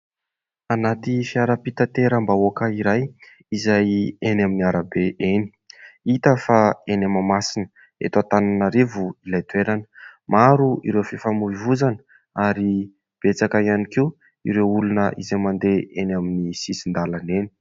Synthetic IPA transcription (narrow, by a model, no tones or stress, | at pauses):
anat̪ifiaɾəpit̪at̪eɾəmbaokəiɾaj | izajenaminiaɾabeʔeni̥ | it̪əfaenamamasinə̥ | ḛt̪at̪ananaɾevuilajt̪weɾanə̥maɾuiɾewfifamuivuzanə̥ | aɾi | b̥et͡sakaianiki | ḭɾewulunəʔḭzajmand̪eenaminisisind̪alaneni̥